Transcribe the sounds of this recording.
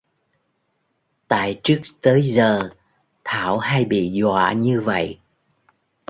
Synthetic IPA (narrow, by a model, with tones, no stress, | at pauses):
t̪a̰ː˧˨jt͡ɕɨ˦˥ək̚t̪əː˨˦jzəː˨˩ | t̪ʰaː˧˩wha˧jɓḭ˧˨zwa̰ː˧˨ɲɨ˧və̰˧˨jʔ